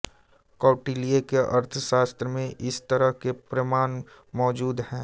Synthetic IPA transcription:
kɔːʈiːliekeʔɐɾt̪ʰəʃaːst̪ɾəmẽʔɪst̪əɾəɦkepɾəmaːn | mɔːd͡ʒuːd̪hɛ̃ː

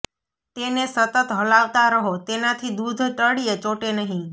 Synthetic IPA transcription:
t̪enesət̪ət̪ɦəlaʋt̪aɾəɦot̪enat̪ʰid̪ud̪ʱʈəɽijet͡ʃoʈenəɦĩ

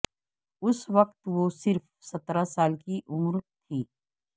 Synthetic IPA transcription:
ʊsʋɐq̚t̪ʋoːsɪɾf | sɐt̪ɾasaːlkiʔʊmɾt̪ʰiː

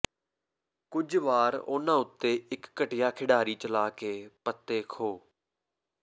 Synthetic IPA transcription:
kʊd͡ʒʋaːɾo̰ːnãːʊt̪ːeːɪkːəʈɪjaːkʰɪɖaːɾiːt͡ʃəlaːkeːpət̪ːeːkʰoː

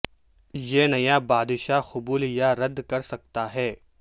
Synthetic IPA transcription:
jenɐjabaːd̪ʃaxʊbuːljaɾɐd̪kɐɾsɐk̚t̪aɦɛː

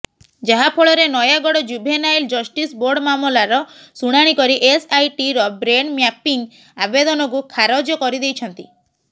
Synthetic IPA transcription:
d͡ʒaɦapʰoɭɔɾenɔjaɡɔɽɔd͡ʒubʱenajld͡ʒɔsʈisboɾɖmamɔlaɾɔsuɽ̃aɽ̃ikɔɾiʔesajʈiɾɔbɾeɳmjapiŋ | abed̪ɔnɔk̬ukʰaɾɔd͡ʒɔkɔɾid̪ejt͡ʃʰɔnt̪i

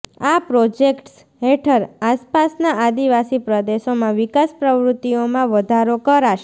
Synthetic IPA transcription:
apɾod͡ʒekʈs | ɦeʈʰəɾaspasnaʔad̪iʋasipɾəd̪eʃomãʋikaspɾəʋɾʊt̪ːijomãʋəd̪ʱaɾokəɾaʃe

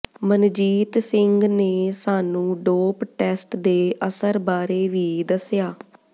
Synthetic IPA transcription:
mənd͡ʒiːt̪sɪŋɡneːsaːnũːɖoːpʈɛːsʈd̪eːʔəsəɾbaːɾeːʋiːd̪əsjaː

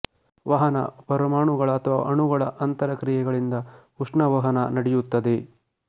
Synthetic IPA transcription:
ʋɐɦɐnɐ̰pɐɾɐmaːɳuɡɐɭɐːt̪ʰɐʋa̰ːʔɐɳuɡɐɭɐʔɐnt̪ɐɾɐkɾijɛɡɐɭind̪ɐhuʂɳɐʋɐɦɐnɐnɐɽejut̪ːɐd̪e̞

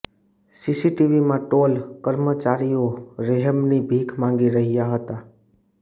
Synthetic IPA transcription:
sisiʈiʋimãʈolkəɾmət͡ʃaɾijoɾeɦəmnibʱikʰmãŋ̆ɡiɾəɦijaɦət̪a

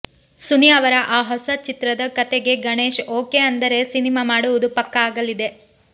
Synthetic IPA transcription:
sunijɐʋɐɾɐʔaːɦɔsɐt͡ʃit̪ɾɐd̪ɐkɐt̪eɡe̞ɡɐɳeːʃoːke̞ɐnd̪ɐɾe̞sinimaːmaːɽuʋud̪upɐkːɐaːɡɐlid̪e̞

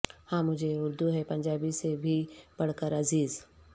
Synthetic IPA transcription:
hãːmʊd͡ʒʱeʊɾd̪uɦɛpɐ̃ɲd͡ʒaːbisebʱib̥ɐɽ̤kəɾɐziːz

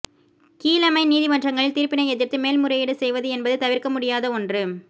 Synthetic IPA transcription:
kiːlɐmɐɪniːðimɐʈrɐŋɡɐɭɪlt̪iːɾpɪnɐɪɛðɪɾt̪ːɯmeːlmʊɾɐjɪɽɯsɛjʋɐðɯɛnbɐðɯt̪ɐʋɪrkɐmʊɽɪjaːðɐɔndrɯ

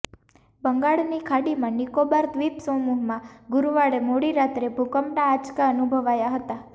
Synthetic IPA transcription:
bəŋɡaɭnikʰaɽimãnikobaɾt̪ʋipsomuɦmãɡʊɾʋaɭemoɽiɾat̪ɾebʱukəmʈaːt͡ʃkaənubʱəʋajaɦət̪a

